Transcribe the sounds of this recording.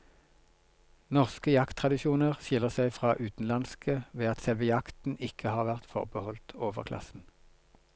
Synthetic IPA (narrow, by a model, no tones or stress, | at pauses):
nɔʁskəjɑkt̪ʰʁɑd̪ɪʃuːnəʁʃɪləʁsæɪfʁɑːʔʉːt̪n̩lɑnskʰəʋeːɑt̪sɛlʋəjɑkt̪n̩ɪkʰəhɑːʁʋæʁt̪fɔ̰ʁbəhɔlt̪oːʋə̰ʁkʰlʔɑ̰sn̩